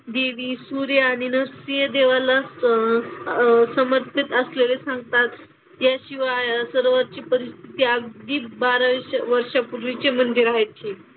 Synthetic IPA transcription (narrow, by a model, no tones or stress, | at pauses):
d̪eʋiːsuɾjaːɽ̃inəɾsijəd̪eʋala | səməɾt̪ʰit̪əslelesãŋɡ̚t̪at̪ | jaɕiʋasəɾʋaɾt͡ɕiːpəɾist̪ʰit̪iːəɡ̚d̪iːbaɾʋəɾʂapuɾʋit͡ɕemənd̪ʱjiɾaɦet̪ʰiː